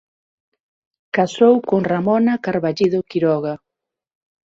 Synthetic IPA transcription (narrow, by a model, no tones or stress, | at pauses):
kasowkoŋramɔnɐkaɾβaʎiðokiɾɔɣa